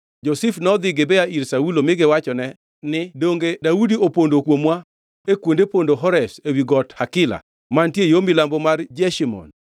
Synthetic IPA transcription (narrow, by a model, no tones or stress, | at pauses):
d͡ʒosifnɔd̪ɪɡɪbɛaiɾsaulomɪɡɪwat͡ʃɔnɛ | nɪdoŋɡedaudiopondokwomwa | ekwondepondoɦɔɾɛsewiɡɔthakɪla̰ | mantjejomɪlambɔmard͡ʒɛʃimɔ̰n